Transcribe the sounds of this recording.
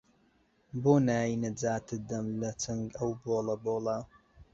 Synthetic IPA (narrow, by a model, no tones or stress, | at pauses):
boːnaːjinɐd͡zaːt̪ʰɨd̪ɐmlɐt͡sʰɐŋɡɐwboːlɐboːlˠɐ